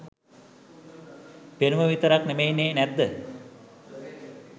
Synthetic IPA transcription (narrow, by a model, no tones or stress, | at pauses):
penuməʋit̪əɾaknemejneːnæt̪d̪ə